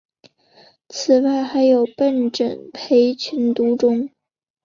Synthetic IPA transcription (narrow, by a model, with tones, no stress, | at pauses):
t͡sʰɹ̩˨˩wa˥˩ɪxa˧˥ɪjo˨˩ʊpə˥˩nʈ͡ʂə̰˨˩ŋpʰe˧˥ɪt͡ɕʰy˧˥nt̪u˧˥ʈ͡ʂʊ˥ŋ